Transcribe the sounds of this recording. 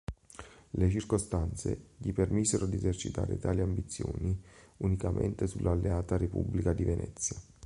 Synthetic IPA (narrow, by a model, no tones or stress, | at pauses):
let͡ʃirkost̪ant̪sḛʎipermisːeɾod̪iezert͡ʃit̪a̰ːɾḛt̪aːliambit̪sːjoːniunikamʔḛnt̪esulʔalːeaːt̪arepṵbːlikad̪ivenʔɛ̰t̪sːja